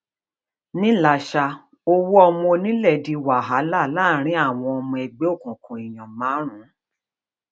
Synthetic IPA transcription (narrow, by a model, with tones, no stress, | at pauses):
nĩ˦la˨ʃa˧ | o˧wu˦ɔ˧mɔ̃˧nĩ˦lɛ˦˨di˨˧wa˨ɦa˨˦la˦˨˦la˦˨ɾ̃ĩ˨˦a˦˨w̃ɔ̃˧ɔ˧mũ˧ɛ˨ɡ͡be˨˦o˦˨kũ˨kũ˨i˨j̃ɔ̃˨mãː˨˦ɾ̃ũ˨˦